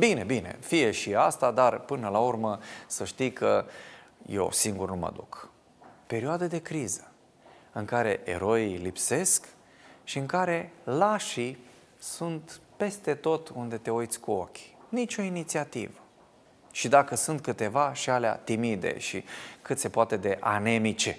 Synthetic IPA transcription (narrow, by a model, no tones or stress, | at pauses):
bine̞̰bine̞̰fije̞ʃiast̪ad̪arpɨnəlaurməsəʃt̪ijkʰə | jḛwsiŋɡurnumə̰d̪uk | pe̞ɾioad̪əd̪e̞kɾizə | ɨŋkaɾe̞ʔḛɾo̞ilipse̞sk | ʃiɨŋkaɾe̞laʃi | sunt̪pe̞st̪e̞t̪o̞t̪und̪e̞t̪e̞ojt̪sʲkuo̞kʲnit͡ʃʲo̞init̪siat̪ivə | ʃid̪akəsunt̪̚kɨt̪e̞vaʃialea̰t̪imid̪e̞̰ʃikɨt̪se̞poat̪e̞d̪e̞ʔa̰ne̞mit͡ʃe